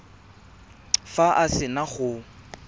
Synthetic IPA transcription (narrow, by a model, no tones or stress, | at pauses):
faʔasɪnaχʊ